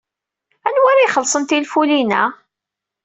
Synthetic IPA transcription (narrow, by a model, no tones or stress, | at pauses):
ænwaɾajχəlsˤənt̪ilfulinæ̰